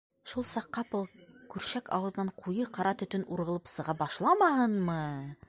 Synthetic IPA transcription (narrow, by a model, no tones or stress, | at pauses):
ʃulˠsɑqːɑpɤlˠkʉɾɕækɑ̰wɤ̆ð̆nɑɴqʰujɤqɑɾɑt̪ɵ̆t̪ɵnʔuɾʁɤ̆lˠɤpsɤ̆ʁɑbɑʃlˠɑmɑɦɤnmɤ